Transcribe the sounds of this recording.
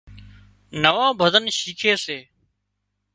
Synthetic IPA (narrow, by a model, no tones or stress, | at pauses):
nəʋãːbʱəzənʃiːkʰeːseː